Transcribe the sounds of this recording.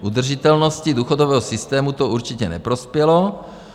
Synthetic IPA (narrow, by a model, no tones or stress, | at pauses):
ʔud̪r̩ʒit̪ɛlnoscid̪uːxod̪ovɛːɦɔsist̪ɛːmut̪ouɾt͡ʃɪcɛnɛ̰pɾospjɛlo